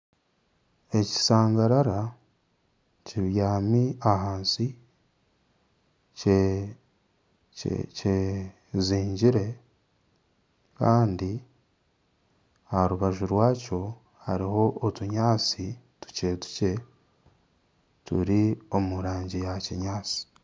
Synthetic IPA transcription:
e̞ci̥saːŋɡaɾaɾa | ciβjaːmiaɦaːnsi | e | ce | ziːɲɟiɾe̞ | kaːndi | aɾuβaʒuɾwaːco̞ | ha̰ɾiho̞ʔotuɲaːt͡si | tu̥ce̞tu̥ce̞ | tṵɾio̞muɾaːɲɟijaciɲaːt͡si̥

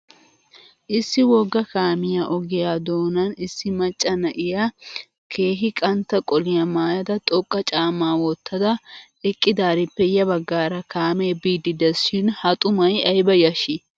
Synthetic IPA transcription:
ʔɪsːɪwɔɡːɐkaːmɪjaʔɔɡɪjaːd̪oːnɐnɪsːɪmɐt͡ʃʼːɐnɐʔɪja | kʰe̞ːɦɪkʼɐnt̪ːɐkʼɔlɪjɐmaːjɐd̪ɐt̪ʼɔkʼːɐt͡ʃʼaːmaːwɔt̪ːɐd̪ɐ | ɛkʼːɪd̪aːɾɪpːɛjɐbɐɡːaːɾɐkaːmebiːd̪ɪd̪ɛsʃɪnhɐt̪ʼʊmɐjɐjbɐjɐʃɪ

